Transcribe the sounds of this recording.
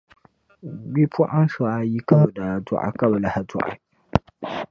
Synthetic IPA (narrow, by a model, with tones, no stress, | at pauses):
bi˦pʰʊ˦ʔa˦n˦sa˨ʔa˨ji˦ka˦bɨ˨da˨a˨tṵ˨ʔa̰˨ka˦bɨ˨la˨ha˨tʊ̰˦˨ʔa̰˨